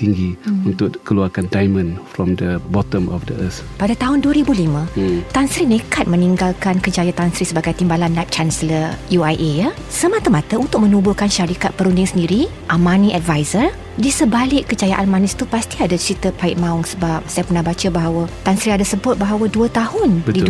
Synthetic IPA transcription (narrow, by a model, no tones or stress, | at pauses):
t̪iŋɡiunt̪ʊkkəluakandajmə̃nfɹɔ̃mdəbɔt̪ə̃mɔfdəəs | padat̪aɦʊnduəɾibulimãt̪ansɾinəkat̪̚məniŋɡalkankəd͡ʒajat̪ansɾisəbaɡajt̪imbalanːap̚t͡ʃansələjuajʔeja | səmat̪amat̪aunt̪ʊk̚mə̃nubʊkanʃaɾikat̪̚pəɾundɪŋsəndiɾi | ʔamãnĩʔatvajzər | disəbalɪʔkːəd͡ʒajaʔanmanɪst̪upast̪iadat͡ʃɾit̪əpaɪʔ̪̚mãʊŋsəbap̚sajapərnahbat͡ʃabaɦawat̪ansɾiadasəbʊt̪̚baɦawaduət̪ahʊnbdi